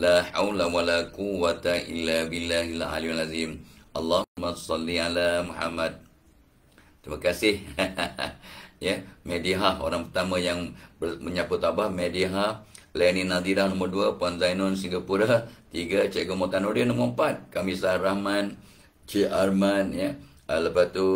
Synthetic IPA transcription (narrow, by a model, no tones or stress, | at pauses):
laħawlawalakuwat̪aʔḭlːabilːaɦila̰lialazimʔɑlːaumːasɑlːialamuħa̰mːad̪̚ | t̪ːɾimakasɪh | jəmediɦaho̰ɾaŋpərt̪amə̃jaŋbəməɲapʊt̪ːabahmediɦahlajaninad̪iɾahnomərduapuanzajnɔnsiŋɡapuɾat̪iɡat͡ʃeɡəmok̪anoɾinoməmpat̪̚kamisarahman | t͡ʃeʔarmanjə | ələpat̪u